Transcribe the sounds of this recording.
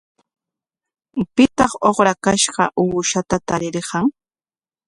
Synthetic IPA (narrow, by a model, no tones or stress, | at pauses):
pɪt̪ɑχoχɾakaʃɢɑʔuːʃat̪at̪aɾɪɾɢɑŋ